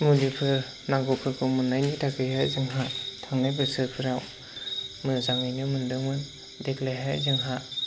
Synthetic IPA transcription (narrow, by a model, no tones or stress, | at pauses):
mulipʰɯ | naɡopʰɯɾkʰɯmɯnːajnitʰakɯjhajzɯŋɦatʰaŋnajbɯsɯpʰɯɾaw | mɯzaŋɯjnɯmɯndɯŋmɯn | deklajɦajzɯŋɦa